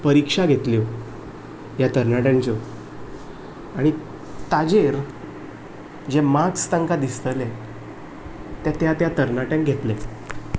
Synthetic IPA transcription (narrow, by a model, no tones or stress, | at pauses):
pəɾikʂaɡʱet̪ljo | jat̪əɾnaʈjãnt͡ɕo | aɽ̃i | t̪ad͡ʑeɾ | d͡ʑemakst̪ãŋkad̪ist̪əle | t̪jat̪jat̪jat̪əɾnaʈjãŋkɡʱet̪le